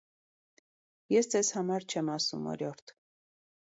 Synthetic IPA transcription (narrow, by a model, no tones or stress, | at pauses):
jɛsd͡zɛzhɑmɑɾt͡ʃʰɛmɑsṵmɔ̰ɾjɔɾt̪ʰ